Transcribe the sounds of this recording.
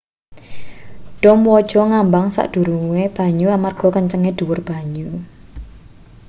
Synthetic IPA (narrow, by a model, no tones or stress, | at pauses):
ɖ̥ɔmwɔd̥ʒ̥ɔŋambaŋsa̰ʔd̥ṳɾuweb̥a̤ɲuamarɡ̥ɔ̤kəɲt͡ʃəŋeɖ̪̥ṳwʊrb̥a̤ɲu